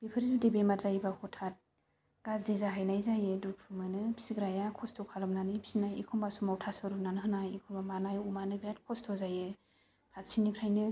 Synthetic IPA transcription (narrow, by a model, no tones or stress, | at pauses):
b̥epʰɯɾizudebemaɾzajbahɔtʰat̚ | ɡ̥azdezaɦajnajzajeduk̚pʰɯmɯnɯpisiɡɾajakʰɔstʰɔkʰalɔmnanɯjpi̥sinajikʰɔmbasumawtʰasaɾumnanɯɦɯnajikʰɔmbamanajumanɯɡɾatkʰɔstʰɔzaje | pʰatsʰinipʰɾajnɯ